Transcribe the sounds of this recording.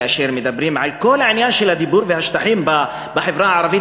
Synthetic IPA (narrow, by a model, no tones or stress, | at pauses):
ʔæʃiːɾmɪd̪æbːɾiːmʕalkʊlːʕɪnjaːnʃilæd̪ibuːɾvɪhaʃt̪aħiːmb | bɪħɪfɾɑːʕɑɾˤɑfi